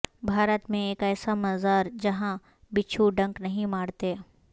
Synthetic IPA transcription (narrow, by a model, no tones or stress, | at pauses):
bʱaːɾət̪mẽeːkɛːsamɐzaːɾd͡ʒɐɦã | bɪt͡ʃʰuɖɐ̃ŋknɐɦĩmaːɽt̪eː